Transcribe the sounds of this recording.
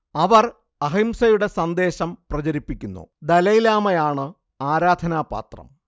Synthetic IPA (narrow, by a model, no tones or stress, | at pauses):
ɐʋɐr | ɐɦimsɐjuɽe̞sɐnd̪e̞ːɕɐmprɐt͡ɕɐɾipːikʲːunːṵd̪ɐlɐjilaːmɐjaːɳɨ | aːɾaːd̪ʱɐnaːpa̰ːt̪rɐ̰m